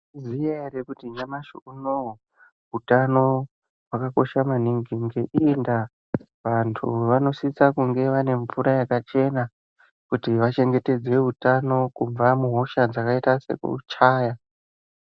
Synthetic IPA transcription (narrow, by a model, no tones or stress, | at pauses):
zijaɦeɾekutiɲamaʃuuno | ɦutano̞ | ɦwakako̞ʃamaniŋɡiŋɡeʔinda | ʋantʰṵʋano̞sit͡sakuŋɡe̞ʋane̞ɱfuɾajakat͡ʃe̞na | kutiʋat͡ʃe̞ŋɡe̞te̞d͡ze̞ɦutano̞kuɱvamuɦo̞ʃad͡zakaitase̞̰kṵt͡ʃaːja